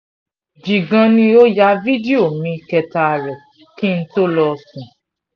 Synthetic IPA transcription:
d͡ʒi˨ɡã˧nĩ˧˦o˦ja˧˦vi˦di˦o˦˨mĩ˧kɛ˧ta˧˨ɾɛ˨ | ki˦n̩˦to˦lɔ˧sũ˨

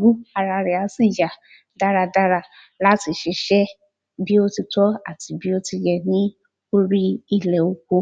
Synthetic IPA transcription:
ɡu˦a˧ɾa˧ɾɛ˨a˨˧si˦˨ja˨ | da˧ɾa˧da˧ɾa˧ | la˦ti˧ʃe˧˦ʃɛ˦ | bi˦o˦ti˧tɔ˦a̰˦˨ti˨bi˦o˦ti˧jɛ˧nĩ˦ | o˦ɾi˦i˦lɛ˨o˧ko˧

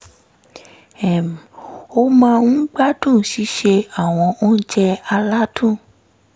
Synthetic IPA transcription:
ɛ˨m˨o˧mãː˧ũ˦ɡ͡ba˦tũ˦˨ʃi˨˦ʃe˧a˦˨w̃ɔ̃˧o˦n̩˦d͡ʒɛ˧a˧la˦tũ˦˨

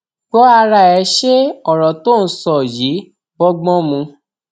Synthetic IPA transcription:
ɡ͡bɔ˦a˧ɾa˦˨ɛ˧˦ʃe˦ɔ˨ɾɔ˨to˦˨ñ̩˦sɔ˦˨ji˨˦ | bɔ˦ɡ͡bɔ̃˦mũ˧

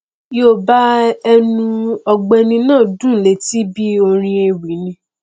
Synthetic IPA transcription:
jo˨ba˦ɛ˧nũ˧ɔ˧ɡ͡bɛ˧nĩ˧nãː˦˨dũ˦˨le˨˦ti˦bi˦o˧ɾ̃ĩ˧e˧wi˨˦nĩ˧

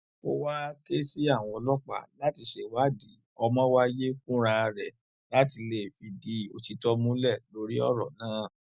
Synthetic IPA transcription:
ko˦wa˦ke˦si˦a˦˨w̃ɔ̃˧ɔ˧lɔ˦k͡pa̰˦˨la˦ti˧ʃe˨wa˦di˨˦ | ɔ˧mɔ̃˦wa˦je˦fũ˦ɾ̃ã˧ɾɛ˨ | la˦ti˧le˨fi˧di˧˦o˧ti˧tɔ˦mũ˦lɛ˦˨lo˧ɾi˦ɔ̰˦˨ɾɔ˨nãː˨˦

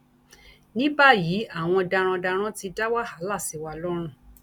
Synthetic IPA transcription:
nĩ˦ba˦ji˨˦a˦˨w̃ɔ̃˧da˧ɾ̃ɔ̃˧da˧ɾ̃ã˦ti˧da˦wa˦ha˨˦la˦˨si˨˦wa˧lɔ˦ɾ̃ũ˧˦

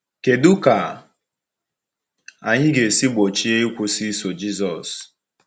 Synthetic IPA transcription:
ke˨dʊ˦ka˨ | a˨ɲɪ˦ɡe˨si˦ɡ͡bo˨t͡ʃi˦e˦i˦kʷʊ˦si˦so˨d͡ʒi˦zɔ˨s

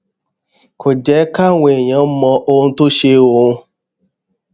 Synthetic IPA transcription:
kʰo˨d͡ʒɛ˨˦ka˦ŋʷe˨ɲɔ˦m̩˦mɔ˧ʔo˦n̩˦tʊ˦ʃe˦o˨˦

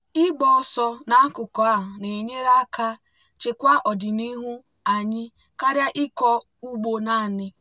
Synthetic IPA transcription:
ɪ˦ɡ͡bɔ˦sɔ˦na˦kʊ˨kɔ˨a˦˨ɦʊ˨ne˨ɲe˦ɾa˦ka˦ | t͡ʃe˨kʷa˦ʔɔ˨dɪ˨ni˦ɦu˦ | a˨ɲɪ˦ | ka˦ɾja˦ʔɪ˦kɔ˦ | u˦ɡ͡bo˨na˦˨nɪ˦

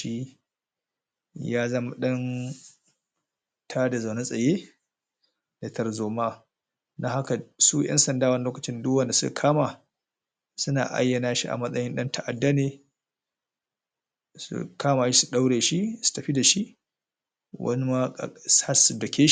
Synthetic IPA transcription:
i˦ | jaː˦zɐ˦ma˨ɗɐ˦n | tʰaː˦da˨za˨wna˦sʼɐ˨jeː˦ | da˨tʰɐ˨rzoː˨maː˦ | dɐ˦ŋha˦ka˨su˦jʔɛ̰˦nsɐ˨ndaː˦wɐ˦ni˦loː˦kɐ˨t͡ʃɪ˦ndʊ˦wɐ˦nda˨sʊ˦ka˨kʰaː˦ma˨ | sʊ˦na̰ː˨ʔa̰˦jːɐ˨naː˦ʃi˦ʔa̰˨mɐ˦sʼɐ˦jɪ˦nɗɐ˦ntɐ˦ʔa˨dːɐ˦neː˨ | sṵ˨kʰaː˦maː˨ʃi̥˦su̥˨ɗa˦wɽeː˨ʃi˦su̥˨tɐ˨ɸi˦da˨ʃi˦ʔ | wɐ̰˦ni˦ma̰˦˨sa˦su˨dɐ˨kʲʰeː˦ʃ

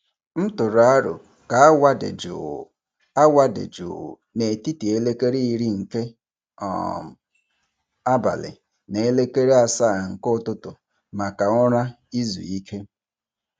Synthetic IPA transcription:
m̩˦tʊ˨ɾʊ˨a˦ɾʊ̰˨ | ka˨a˦wa˦dḛ˨d͡ʒʊ̰˨ | a˦wa˦dḛ˨d͡ʒʊ̰˨ | ne˨ti˦ti˨e˦le˦ke˦ɾi˦i˦ɾi˦ŋ̩˨ke˦ | ɔ̰˨ | a˦ba̰˨lɪ̰˨ | ne˨e˦le˦ke˦ɾe˦a˨sa˦˨ŋ̩˨kʊ˦tʊ˦tʊ˨ | ma˨ka˨ŋɔ˦ɾa˦ | i˦zṵ˨i˦kʰe˦

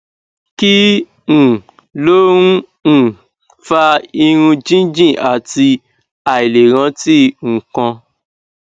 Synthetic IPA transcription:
ki˦ | ñ̩˨ | lo˦ũ˦˨ | fa˧i˧ɾ̃ũ˧d͡ʒĩ˦d͡ʒĩ˦˨ʔa˨ti˧ | a˨i˨le˨ɾ̃ã˧˦ti˦ŋ̩˨kã˧

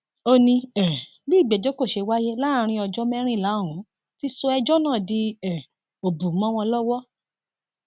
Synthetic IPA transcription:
o˦nĩ˧ɛ˨ | bi˦˨ɡ͡bɛ˨d͡ʒo˦ko˦˨ʃe˧wa˦je˦la˦˨˧ɾ̃ĩ˧˦ɔ˧d͡ʒɔ˦mɛ̃˦ɾ̃ĩ˦˨la˨˦o˦˨ɾ̃ũ˨˦ | ti˦so˧ɛ˧d͡ʒɔ˦nãː˦˨di˧ɛ˨ | o˨bu˨mɔ̃˨˦w̃ɔ̃˧lɔ˦wɔ˦

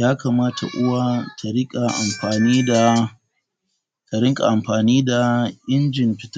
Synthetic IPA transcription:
jaː˦kaː˨maː˦tʰa̰˨ʔʊ˦wa˦tʰa˨ɽɪ˦kʼa˨ʔa˨mɸaː˨niː˦da˨ | ta˨ɽɪ˦ŋkʼa̰˨ʔa˨mɸaː˨niː˦da˨ʔɪ˦nd͡ʒɪ˨mɸɪ˦ta˦

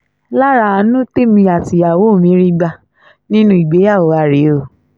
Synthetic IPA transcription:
la˦ɾa˧a˧nũ˦te˦mĩ˧a˨ti˨a˨wo˨˦˨mĩ˨˦ɾi˦ɡ͡ba˧ | nĩ˦nũ˦i˨ɡ͡be˨˦ja˦˨wo˨˦a˧˨ɾe˨˦o˦˨

